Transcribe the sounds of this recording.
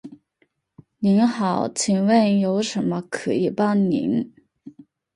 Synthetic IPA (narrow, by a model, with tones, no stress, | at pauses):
ni˧˥nxɑ˨˩˦ʊt͡ɕʰi˨˩ŋwə˥˩njo˧˥ʊʂə˧˥nmə˧kʰɤ˧˥i˨˩pɑ˥ŋnḭ˧˥n